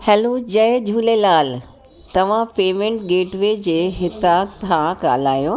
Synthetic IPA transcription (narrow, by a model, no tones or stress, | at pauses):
hɛːlod͡ʑɐd͡ʑʱuːlelaːl | t̪ɐʋ̤ãpeːmẽɳʈɡeːʈʋeːd͡ʑeːɦɪt̪aːt̪ʰãɡa̰ːlaːjo